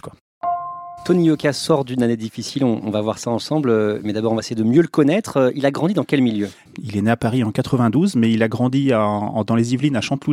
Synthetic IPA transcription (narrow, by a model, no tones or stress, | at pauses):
kwa | t̪ɔnijɔkʲasɔʁd̪ynaned̪ifisilɔ̃ʔːvavwaʁsaɑ̃sɑ̃blømɛd̪abɔʁɔ̃vaesejed̪əmjøləkɔnɛt̪χøilaɡʁɑ̃d̪id̪ɑ̃kʲɛlmiljø | ileneapaʁiɑ̃kat̪χəvɛ̃d̪uzmɛilaɡʁɑ̃d̪ia̰d̪ɑ̃lezivlinaʃɑ̃t̪lu